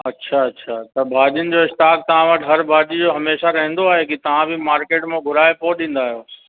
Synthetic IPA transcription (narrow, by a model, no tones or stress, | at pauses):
ɐtːɕʃʰaɐːɕʃʰat̪ɐbʱaːʄijənɪ̆d͡ʑoːɪʃʈ̪aːk̚t̪ɐʋ̤ãʋɐʈʰɦɐɾbʱaːʄid͡ʑoɦɐmeːʃaɾɐɦə̃nd̪oaːɦekit̪ɐʋ̤ãbʱɪmaːɾkeːʈmẽɡʱʊlaːepoɗĩːn̆d̪aːɦijoː